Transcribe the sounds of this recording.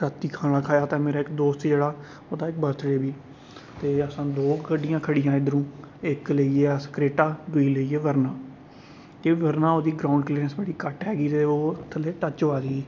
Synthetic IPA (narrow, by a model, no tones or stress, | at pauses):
ɾət̪iːkʰaːɽ̃aːkʰaːjaːt̪ãːmeːɾaːɪkd̪oːst̪d͡ʒeːɽaː | oːd̪aːɪk̚bəɾt̪ʰɽeːbiː | t̪eːəsãːd̪oːkʰəɖɪjãːkʰəɽɪjãːɪd̪əɾũːɪkləieːəskɾeːʈaːd̪ʊiːləiːeːʋəɾnaː | t̪eːʋəɾnaːoːd̪iːɡɾaːʊɳɖkleːɾənsbəɽiːkəʈɦɛːɡiːt̪eːoːt̪ʰːəleːʈət͡ʃoaːɡeiː